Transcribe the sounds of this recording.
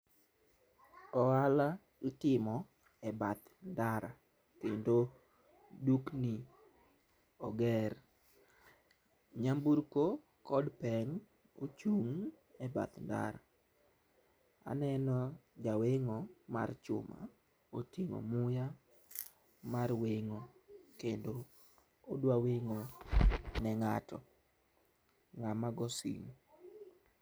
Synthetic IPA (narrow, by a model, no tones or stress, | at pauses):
ɔala | itɪmɔ | ɛbat̪ndaɾa | kendo | dukni | ɔɡɛr | ɲambuɾko | kɔdpɛŋ | ot͡ʃuŋ | ɛba̰t̪nda̰ɾa̰ | a̰nɛnɔd͡ʒaweŋoma̰rt͡ʃʊ̰ma̰ | otiŋo̰mʊja | marweŋokendoː | dwaweŋo | nɛŋatɔ | ŋamaɡɔsḭŋ